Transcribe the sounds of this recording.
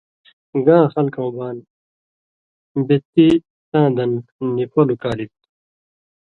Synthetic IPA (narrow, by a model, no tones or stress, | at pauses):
ɡãːxɐlkõːbaːn | bet̪ːi | t̪ãːd̪ɐnnipʰolukaːlit̪̚